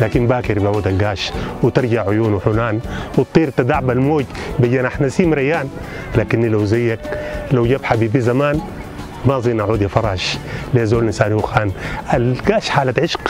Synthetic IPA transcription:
laːkinbaːkiɾbiʕuːd̪alɡaːʃwɪt̪ɪɾˤɟaʕʕʊjuːnwħunaːnwɪt̪̚ˤːiːɾt̪ad̪aʕbalmoːɟ̪bajaːnaħnasiːmɾajːaːn | laːkinːilawzajːaklawɟabħabiːbizamaːn | maʔzˤiːnʔaʕuːd̪jafɑɾˤɑːʃleːzoːlinsaːniwuxaːnʔalɡaːʃħaːlat̪ʕɪʃk

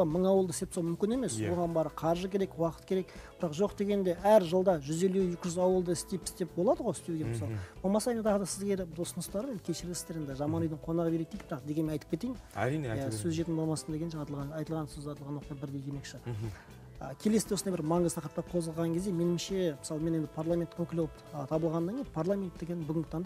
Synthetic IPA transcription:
ɑməɴɑwəlˠd̪əɪst̪epsɑwmʏmkʲɪne̞mesoʁɑnbɑɾəqʰɑɾʒəkʲʰe̞ɾe̞kwɑqə̥t̪kʲʰe̞ɾe̞kb̥ɪɾɑqʒo̞qd̪e̞ɡʲe̞nd̪e̞ʔæɾʒəlˠd̪ɑʒʏze̞lːujekʲɪʒʏzɑwəlˠd̪əɪst̪ejpɪ̥st̪e̞p̚bo̞lˠɑd̪əʁoɪst̪eɡʲemsɑwˠb̥olˠmɑsɑjnɑt̪ʰɑʁəd̪ɑsɪzɡʲeɾɪbd̪ʊsənəst̪ɑɾend̪ɪkʲʰe̞ʃɪɾɡʲɪsɪ̥eɾend̪ɪʒɑmɑnujd̪ɪɴqʰo̞nɑʁəbe̞ɾet̪ejk̪̚bɪɾɑqd̪eɡʲenmenɑjt̪ə̥pkʲe̞t̪ejmæ̰ɾiejæsɵzʒeɪnbolˠmɑsənd̪eɡʲnʃɑt̪lˠʁɑɑjt̪əlˠʁɑnsɵzɑjt̪əlˠʁɑnwoqjɑbɪɾd̪e̞jd̪ʰeme̞kʃɪ | ə̰kʲʰeleseosnɑjbɪɾmɑɴəzt̪ʰɑqɾəp̚t̪ɑpqʰo̞zʁəlˠʁɑŋkʰʲe̞zd̪eme̞nɪmʃe̞mɪsɑlˠəme̞nend̪ɪpʰaɾlˠamʲe̞nt̪kʲɵkʲɪlʲo̞lˠpət̪ʰɑbəlˠʁɑnːɑŋɡʲepʰaɾlˠamʲe̞nt̪̚ːeɡʲenɪbʏɡʲɪŋɡʲɪt̪ʰɑnd̪

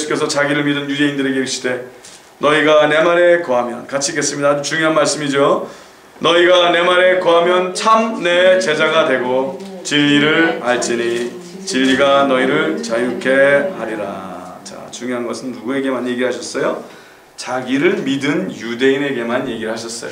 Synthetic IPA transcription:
jesʰu̥k͈e̞sʰʌt͡ɕaɡiɾɯɭmidɯnjude̞indɯɾe̞ɡeeɕ͈ʰide̞ | nʌiɡane̞maɾe̞koɦamjʌ̰nkat͡ɕʰike̞s͈ɯmɲidaːd͡ʑut͡ɕuŋjoɦanmaɭs͈ɯmid͡ʑo | nʌiɡane̞maɾe̞koɦamjʌnt͡ɕʰamne̞t͡ɕe̞d͡ʑaɡadwe̞ɡo | t͡ɕiʎːiɾɯɭaɭt͡ɕ͈iɲi | t͡ɕiʎːiɡanʌiɾɯɭt͡ɕajukʰe̞haɾiɾa̰t͡ɕa̰t͡ɕuŋjoɦanɡʌsʰɯnːuɡue̞ɡe̞manje̞ɡiɭɦaɕʰʌs͈ʌjo | t͡ɕaɡiɾɯɭmidɯnjude̞ine̞ɡe̞manje̞ɡiɾɭhaɕʰʌs͈ʌ̰jo

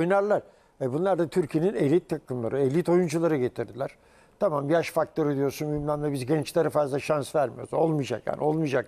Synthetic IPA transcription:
ojnaɾlˠaɾ | ɛbunlˠaɾd̪at̪ʰyɾcʰijeninelʲit̪ʰːakʰɯmlˠa̰ɾɯelʲːit̪o̞jund͡ʒulˠaɾɯɟe̞t̪ʰiɾd̪ilʲæɾ̥ | t̪ʰamambijaʃfak̚t̪ˠoɾɯd̪ijo̞ɾsunmymlʲænmɛbizɟɛnt͡ʃlʲaɾɯfazlˠaʃansvæɾmijoɾzo̞lˠmɯd͡ʒa̰kja̰ːnʔo̞lˠmɯd͡ʒak

